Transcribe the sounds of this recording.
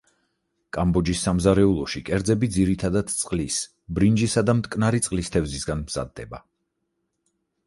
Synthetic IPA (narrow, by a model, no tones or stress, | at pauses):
kʼambɔd͡ʒisːamzaɾɛulˠɔʃikʼɛɾd̪zɛbid̪ziɾit̪ʰad̪ad̪t̪sʼqʼlis | bɾind͡ʒisad̪amt̪ʼkʼnaɾit̪sʼlist̪ʰɛvzisɡanmz̥a̰d̪̚ːɛba